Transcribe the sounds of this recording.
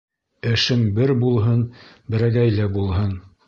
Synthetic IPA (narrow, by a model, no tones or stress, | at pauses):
ɘ̆ʃɘmbɘɾbulˠɦɤn | bɘ̆ɾæɡæjlæbulˠɦɤn